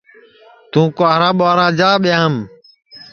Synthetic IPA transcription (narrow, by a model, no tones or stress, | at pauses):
t̪ũːkaːɾãːɓaːɾãːd͡ʒaːɓɪjãːm